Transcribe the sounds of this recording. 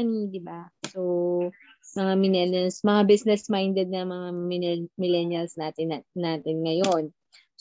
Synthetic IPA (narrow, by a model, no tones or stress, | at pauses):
ɐnid̪ɪbaso | mɐŋamɪlɛlɐlsmɐŋabisnɛsmajnd̪ɛd̪̚nɐmɐŋamɪmɪlɛnjɐlsnaːt̪ɪnnːaːt̪ɪnŋɐjo̞n